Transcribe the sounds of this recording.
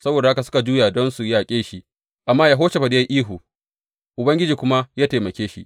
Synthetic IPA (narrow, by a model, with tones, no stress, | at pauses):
sɐ˦boː˨da˨ha˦ka˨sʊ̥˦ka˨d͡ʒuː˦ja˨dɔ˦nsu˨jaː˦˨kʲʼeː˦ʃi˦ʔ | ʔa˨mːaː˦jaː˨ɦoː˦ʃe˨bɐ˨dɪ˦ja˦ʔiː˦ɦu˨ | ʔʊ˨bɐ˦ŋɡʲɪ˦d͡ʒiː˨kʷʊ˦ma˦jaː˦teː˨mɐ˨kʲeː˦ʃḭ˦ʔ